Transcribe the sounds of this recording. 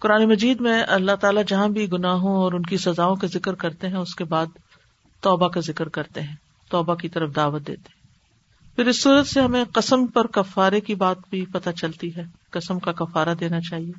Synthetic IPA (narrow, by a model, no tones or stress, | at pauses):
kʊɾaːnemɐd͡ʒiːd̪mẽʔɐlːaɦt̪aːlad͡ʒɐɦãbʱiɡʊnaːɦõɔːɾʊnkisɐzaːõkazɪkɾkɐɾt̪eɦɛ̃ʊskebaːd̪̚ | t̪ɔːbakazɪkɾkɐɾt̪eɦɛ̃ː | t̪ɔːbakit̪ɐɾəfd̪aːʋət̪̚d̪ḛːt̪e̥ɦɛ̃ | fɪɾɪsːuːɾət̪seɦɐmẽqɐsəmpɐɾkɐfːaːɾekibaːt̪bʱipɐt̪at͡ʃɐlt̪iɦɛː | kɐsəmkakɐfaːɾad̪eːnat͡ʃaːɦieː